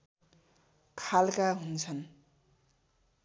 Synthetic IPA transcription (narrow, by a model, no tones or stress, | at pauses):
kʰalkaɦunt͡sʰʌn